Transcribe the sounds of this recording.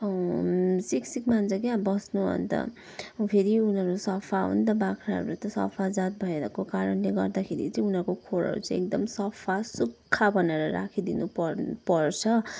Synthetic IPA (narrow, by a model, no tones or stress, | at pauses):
ʌ | siksikmant͡sʰʌkjãbʌsnuɦʌ̰nt̪ʌ̰ | pʰeɾiunʌɾusʌpʰaɦṵnt̪ʌbakʰɾaɦʌ̰ɾut̪ʌsʌ̰pʰad͡zat̪̚bʱʌeɾʌkokaɾʌnleɡʌrd̪akʰeɾḭt͡sʌĩunʌɾkokʰoɾʌ̰ɾṵt͡sʌĩek̚d̪ʌmsʌpʰasukʰːabʌneɾʌɾa̰kʰid̪inupʌrpʌrt͡sʰʌ